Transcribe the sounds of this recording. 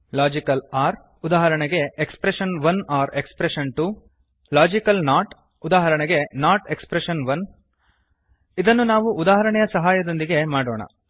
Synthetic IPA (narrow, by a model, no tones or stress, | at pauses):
laːd͡ʒikɐlaːɾ | ud̪aːɦɐɾɐɳɛɡe̞ːkspɾeʂɐnʋɐnaːɾekspɾeʃɐnʈu | laːd͡ʒikɐlnaːʈ | ud̪aːɦɐɾɐɳɛɡe̞naːʈekspɾeʃɐnʋɐn | id̪ɐnːunaːʋuʔud̪aːɦɐɾɐɳɛjɐsɐɦaːjɐd̪o̞nd̪iɡe̞maːɽoːɳɐ̰